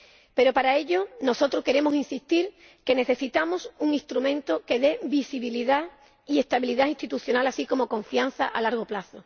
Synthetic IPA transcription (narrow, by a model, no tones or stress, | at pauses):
pe̞ɾo̞paɾae̞ʎo̞no̞so̞t̪ɾoke̞ɾe̞mosinsist̪iɾ | ke̞ne̞θe̞sit̪amosuŋist̪ɾumẽ̞nt̪o̞ke̞ðe̞bisiβiliða | ie̞st̪aβiliðaint̪it̪uθjo̞nalasiko̞mo̞ko̞ɱfian̟θaʔa̰laɾɣ̞o̞plaθo̞